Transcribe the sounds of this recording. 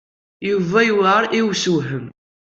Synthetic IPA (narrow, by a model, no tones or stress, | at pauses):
juvæjuwæɾiwsuɦəm